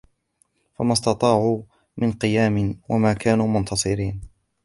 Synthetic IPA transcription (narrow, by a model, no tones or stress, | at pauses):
famɑst̪ɑt̪ˤɑːʕuː | mɪnqɨjaːmɪnwʔa̰maːkaːnuːmʊnt̪ʰɑsˤɨɾiːn